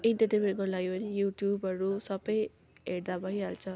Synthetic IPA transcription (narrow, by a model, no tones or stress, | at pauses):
inʈʌdibeɡʌlaɡebʌnijuʈjubʌɾusʌbʌj | ɦeɽd̪abʱʌjɦalt͡sʰʌ